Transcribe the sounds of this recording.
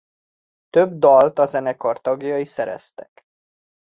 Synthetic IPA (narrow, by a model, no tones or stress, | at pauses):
t̪øbd̪ɒlt̪ɒzɛnɛkort̪ɒɡjɒisɛɾɛ̰st̪ɛk